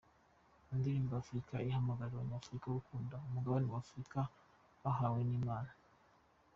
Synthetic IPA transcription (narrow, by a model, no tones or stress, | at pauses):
indiɾiːmbafuɾikaihamaɡaɾiβaɲaːfuɾikawukuːndaumuɡaβanewaːfuɾika | βaɦaːwe̞niːmaːna